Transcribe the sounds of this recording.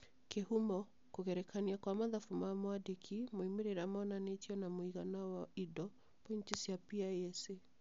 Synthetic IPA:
kehumɔ | kuɣɛɾɛkʰaniakwamaðafumamwadekʰimoimiɾiɾamɔnanetiɔnamuiɣanawaidɔ | peɲt͡ʃisiapiaɛse

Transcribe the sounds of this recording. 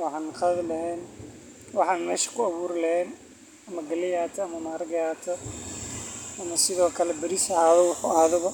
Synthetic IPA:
wɑħɑːnχɐðlɐɦɛːn | wɑħɑːnmɛːʃɐ̥kʰʊɐβuːɾɪlɐhɛːn | ɐmɐɡɐlɪjaːt̪ʰɐːmɐmaːɾɐɡɐjaːt̪ʰɐ | ɐmɐsɪðɔːkʰɐlɛbɐɾisɐhaːðɔwɑħuaːðɔβɐ

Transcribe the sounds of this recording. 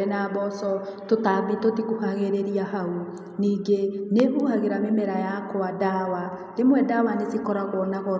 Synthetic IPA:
ɛnabɔsɔtotaːbitotikuhaɣeɾeɾijaɦau | niːŋɡeneʔuhaɣeɾamemeɾajakwadawa | lemwɛdawanesikɔɾaɣɔnaɣɔ

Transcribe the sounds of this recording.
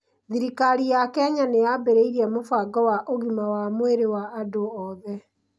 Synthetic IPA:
ðiɾikaɾijakɛaɲanejabeɾeiɾiɛmofaɡɔwaʔoɣimawamweɾewaːdoɔðɛ

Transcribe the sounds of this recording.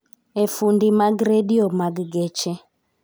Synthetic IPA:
ɛfundimaɡɾediɔmaɡɡɛt͡ʃɛ

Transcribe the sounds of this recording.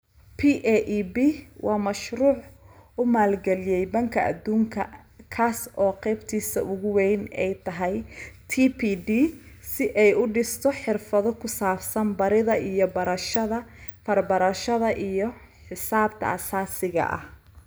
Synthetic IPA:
pʰiːʔɛʔibiːwʔɑːmɐʃɾuːʕʊmaːlɡɛlɪjɛjbɐŋkʰɐʔɐ̰d̪uːŋkʰɐ̰ | kʰaːsʔɔːqɛjbt̪ʰiːsɐ̰ʔʊɣʊwɛjnɛjt̪ʰɐɦɛjt̪ʰiːpʰiːdiːsɪʔɛjʊɖɪst̪ʰɔħɪrfɐðɔkʰʊsaːfsɐnbɐɾɪðɐʔijɔbɐɾɐʃɐðɐfɐrbɐɾɐʃɐðɐʔijɔ | ħɪsaːbt̪ʰɐ̰ɐsaːsɪɣɐ̰ʔɐ̰h

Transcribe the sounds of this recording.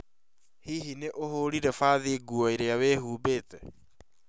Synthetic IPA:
hiɦineʔoɦoɾiɾɛfaːðeɡuɔeɾeaweːɦuːbeːtɛ

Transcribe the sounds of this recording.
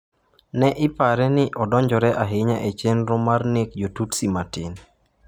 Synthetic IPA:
nɛʔɪpaɾɛnɪʔɔdɔɲd͡ʒɔɾɛʔaɦɪɲaʔet͡ʃɛnɾʊmarnekd͡ʒotutsimatɪn

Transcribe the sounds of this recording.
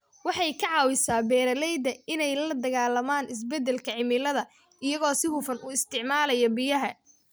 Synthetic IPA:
wɑħɑjkʰɑʕɑːwɪsaːbɛːɾɐlɛjd̪ɐɪnɛjlɐd̪ɐɣaːlɐmaːnɪs̬bɛd̪ːɛlkʰɐʕɪmɪlɐðɐ | ɪjɐɣɔːsɪhʊfɐnʔuːɪst̪ʰɪʕmaːlɐjɔbɪjɐɦɐ

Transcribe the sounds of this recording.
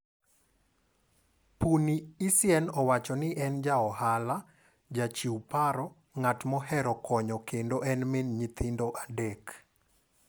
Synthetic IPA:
puniːsjɛnɔwat͡ʃɔnɪʔɛnd͡ʒaɔhala | d͡ʒat͡ʃiupaɾɔ | ŋatmɔɦɛɾɔkʰɔɲɔkendoʔɛnmɪnɲit̪ʰɪndoʔadek

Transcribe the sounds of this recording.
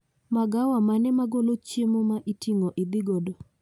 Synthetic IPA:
maɡawamanɛmaɡolot͡ʃjemomaʔitʰiŋoʔid̪iɡodo

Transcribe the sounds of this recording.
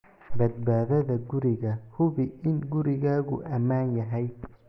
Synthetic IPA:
bɐd̪̚baːðɐðɐɡʊɾɪɣɐhʊβɪɪnɡʊɾɪɣaːɣʊ̰ʔɐmaːnjɐɦɛj

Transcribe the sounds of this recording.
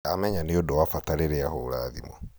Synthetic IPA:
amɛɲaneodɔwafataɾeɾeahoːɾaːðḭmɔ

